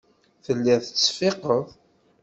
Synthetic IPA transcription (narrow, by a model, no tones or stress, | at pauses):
θəlːiʁθət͡sːfeqəðˤ